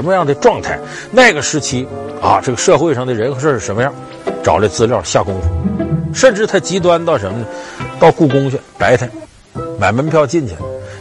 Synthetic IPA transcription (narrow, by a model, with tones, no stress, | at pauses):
ə˧˥mə˧jɑ˥˩ŋd̪ə˧ʈ͡ʂwɑ˥˧ŋt̪ʰa˥˩ɪ | na˥˩ɪɡə˩ʂɻ̩˧˥t͡ɕʰi˥a̰˧ʈ͡ʂɤ˥˩ɡə˩ʂɤ˥˧xwe˥˧ɪʂɑ˥˩ŋd̪ə˩ɻə˧˥nxɤ˧˥ʂɔ˥˧ʂɻ̩˥˩ʂə˧˥nmə˧jɑ˥˩ŋ | ʈ͡ʂɑ˨˩ʊlə˧t͡sɹ̩˥ljɑ˥˩ʊɕja˥˩kʊ˥ŋfu˧˩ʂə˥˧nʈ͡ʂɻ̩˥˩t̪ʰa˥t͡ɕi˧˥t̪̬wa˥nt̪ɑ˥˩ʊʂə˧˥nmə˧nə˨˩t̪ɑ˥˧ʊku˥˩kʊ˥ŋt͡ɕʰɥɛ˥˩pa˧˥ɪt̪ʰa˧˩ɪ | ma˨˩ɪmə˧˥npʰjɑ˥˧ʊt͡ɕi˥˩nt͡ɕʰɛ̰˨˩l